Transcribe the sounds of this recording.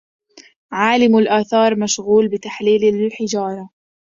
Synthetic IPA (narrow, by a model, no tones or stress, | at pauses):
ʕaːlɪmalʔaːθɑːɾˤmaʃɣuːlbɪt̪aħliːlalħɪd͡ʒɑːɾˤɑ